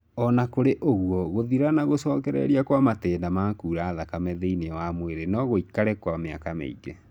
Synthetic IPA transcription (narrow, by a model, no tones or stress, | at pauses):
ɔnakoɾeʔoɣwɔɣoðiɾanaɣosɔːkɛɾɛ̰ɾiakwamatɛːndamakuːɾaːðakamɛðeinewamweɾenɔɣoikaɾɛkwamea̰kamḛḭɡe